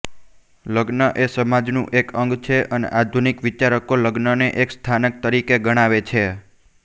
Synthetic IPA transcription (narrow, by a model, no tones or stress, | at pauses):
ləɡnəʔesəmad͡ʒnṵ̃ʔekʰəŋɡt͡ʃʰeʔənḛʔad̪ʱunikʋit͡ʃaɾəkoləɡnəneʔekst̪ʰanək̚t̪əɾikeɡəɽ̃aʋet͡ʃʰe